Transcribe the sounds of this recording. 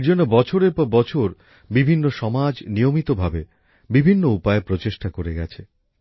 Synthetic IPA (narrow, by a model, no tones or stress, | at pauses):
d͡ʑonːobɔt͡ɕʰoɾeɾpɔbɔt͡ɕʰoɾ | bibʱinːoʃɔmad͡ʑnijomit̪obʱabe | bibʱinːoupaepɾot͡ɕeʃʈakoɾeɡɛt͡ɕʰe